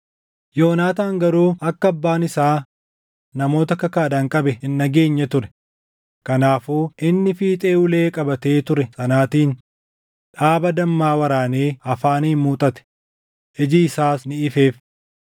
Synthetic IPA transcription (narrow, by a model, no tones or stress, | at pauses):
jo̞ːnaːt̪aːŋɡɐɾuːɐkːɐɐbːaːnɪsaː | nɐmo̞ːt̪ɐkɐkaːᶑɐŋkʼɐbɛɪnːɐɡe̞ːɲːɐt̪ʊɾɛ̥ | kɐnaːfuːʔɪnːɪfiːt̪ʼeːʊle̞ːkʼɐbɐt̪e̞ːt̪ʊɾɛsɐnaːt̪iːn | ᶑaːbɐd̪ɐmːaːwɐɾaːneːɐfaːniːnmuːt̪ʼɐt̪ɛ̥ | ʔɪd͡ʒɪɪsaːsnɪɪfe̞ːf